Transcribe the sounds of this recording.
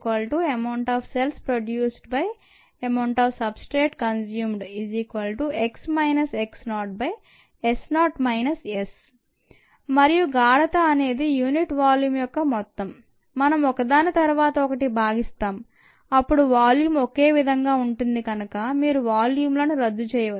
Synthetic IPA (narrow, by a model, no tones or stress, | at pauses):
kʋɐlʈuɐmɐwɳʈaːfʰselspɾoɖjuːsʈbɐj | ɐmɐwɳʈaːfsɐbsʈɾeːʈkɐns̬juːmɖiziːkʋɐlʈueksmɐjnɐseksnaːʈ̚bɐj | esnaːʈmɐjnɐses | mɐɾijuɡaːɽɐt̪ɐːne̞ːd̪ijuːniʈʋaːljuːmjɔkːɐmɔt̪ːɐmː | ɐnɐmɔkɐd̪aːnɐt̪ɐɾuʋaːt̪ɐɔkɐʈibʱaːɡist̪aːm | ɐpːuɽuʋaːljuːmoke̞ːʋid̪ʱɐŋɡaːuɳʈund̪iɡɐnɐkɐmiːɾuʋaːljuːmlɐnuɾɐd̪ːut͡ʃɛːjɐʋɐ